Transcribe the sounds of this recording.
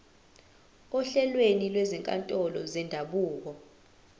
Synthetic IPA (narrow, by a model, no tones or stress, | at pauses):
ɔɬɛlwenilwɛzɛŋkʼa̰ntʼɔlɔ̰zɛndʱaɓuːk̬ɔ